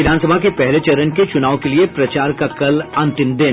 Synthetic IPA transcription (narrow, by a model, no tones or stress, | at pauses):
ɪd̪ʱaːnsəbʱakepɛɦlet͡ʃɐɾənket͡ʃʊnaːʋõkeliepɾɐt͡ʃaːɾkakɐlɐ̃nt̪ɪ̃md̪ɪn